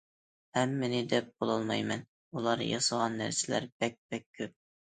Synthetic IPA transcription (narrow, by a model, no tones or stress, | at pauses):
hɛmːɪnɪd̪ɛp̚bolˠɑlˠmɑjmɛn | ulˠɑɾ̰jɑ̰səʁɑnːæ̰ɾsɪlæ̰ɾb̥ɛk̚ʲbɛk̚ʲʰːøp̚